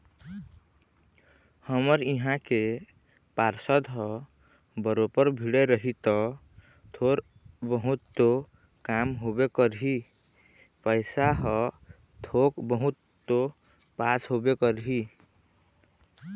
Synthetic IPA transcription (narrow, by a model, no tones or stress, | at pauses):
həməɾiɦãke | paɾsəd̪ɦɔ | bəɾopəɾbʱiɽeɾəɦit̪ɔ | t̪ʰoɾ | bəɦut̪ːo | kamɦobekəɾɦi | pəɪsaɦɔ | t̪ʰokbəɦut̪ːo | pasɦobekəɾɦi